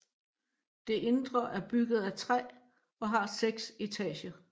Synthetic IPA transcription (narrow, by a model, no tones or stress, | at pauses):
d̥e̝ʔe̝nd̥ʁɐʔæɐb̥yɡ̥ð̞̩ˠæt͡sʰʁɛ̰ː | ɒ̽ɦɑ̈seɡ̥se̝t͡sʰɛ̰ːɕɐ